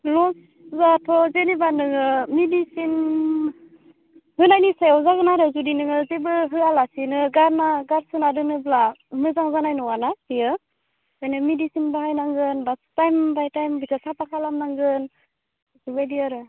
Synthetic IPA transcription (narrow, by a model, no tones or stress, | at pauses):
lɔs | zatʰɔzenibanɯŋɯmidisin | hɯnajnisajawzaɡɯnaɾɯzudinɯŋɯzebɯɦɯalasinɯɡaɾnaɡaɾsɯnadɯnɯblamɯzaŋzanajnɔɡanatijɯ | ajnɯmidisinbahajnaŋɡɯnbastajmbajtajmbisʰasapakʰalamnaŋɡɯn | subajdiaɾɯ